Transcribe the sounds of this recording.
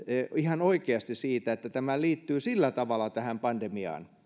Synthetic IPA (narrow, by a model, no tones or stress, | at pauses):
eihɑnoikeɑst̪issiːt̪æet̪ːæt̪æmæliːt̪ːyːsilːæt̪ɑʋɑlːˑɑt̪æhæmpɑnd̥emiɑ̰ːn